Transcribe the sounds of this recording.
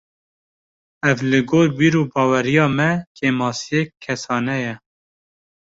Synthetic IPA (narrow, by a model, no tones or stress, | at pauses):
ɛvlɨɡoːɾbiːɾuːbɑːwɛɾijɑːmɛkeːmɑːsijekʰːɛsɑːnɛjɛ